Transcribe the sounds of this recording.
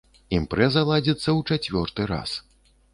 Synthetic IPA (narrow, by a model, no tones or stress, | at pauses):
impɾɛzɐlˠad͡zʲit̪sːɐwt͡ʂat͡sʲvʲɔrt̪ɨɾa̰s